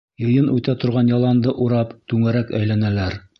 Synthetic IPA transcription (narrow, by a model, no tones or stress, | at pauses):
jɤ̆jɤnʉt̪æt̪ŏɾʁɑnjɑlˠɑnd̪ɤʔuɾɑpt̪ʉŋæɾækæ̰jlænælæɾ